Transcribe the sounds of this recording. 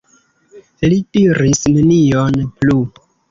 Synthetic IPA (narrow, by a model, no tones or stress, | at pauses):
litiɾisnenijonplu